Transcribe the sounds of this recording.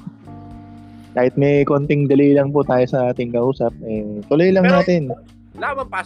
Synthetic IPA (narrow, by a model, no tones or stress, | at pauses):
kaːhɪt̪̚mɛjkont̪ɪŋd̪ɐlilɐŋpʊt̪aːjosɐʔaːt̪ɪŋkɐʔuːsɐp̚ʔɛt̪ʊlojlɐŋnaːt̪ɪn | aɐ